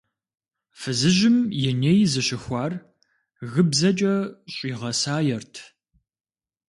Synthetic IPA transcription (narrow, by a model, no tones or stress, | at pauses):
fɨzɨʒɪmjɛnejzɨɕɪxʷɑːr | ɣɨbzɐt͡ʃʼɐɕʼiːʁɐsaːjɛrtʰ